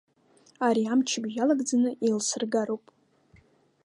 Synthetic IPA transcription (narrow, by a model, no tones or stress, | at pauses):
aɾiamt͡ʃʰɪbʒalaɡd͡zanɨʔilsɨrɡaɾowpʼ